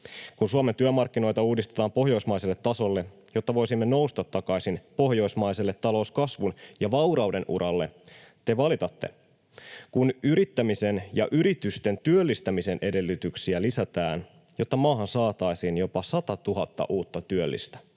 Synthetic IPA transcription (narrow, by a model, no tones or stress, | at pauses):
kunsuɑment̪yømɑrkːino̞jt̪ɑuːdist̪et̪ɑːmpo̞ɦjo̞jsmɑjselːe̞t̪ːɑso̞lːe̞ | jo̞t̪ːɑʋo̞jsimːe̞no̞ust̪ɑt̪ːɑkɑjsinpo̞hjo̞jsmɑjse̞lːe̞t̪ːɑlo̞uskɑsʋunjɑʋɑwɾɑuwde̞nʔṵɾʔɑlːe̞t̪e̞ʋɑlit̪ɑt̪ːe̞̰ | kunyɾit̪ːæmise̞njɑ̰ʔyɾit̪yst̪e̞nt̪yølːist̪æmise̞nʔe̞de̞lːyt̪yksiælisæt̪æːn | jo̞t̪ːɑmɑːɦɑnsɑːt̪ɑjsiːnjo̞pɑsɑt̪ɑt̪uɦɑt̪ːɑ̰ʔuːt̪ːɑt̪yølːḭst̪æ̥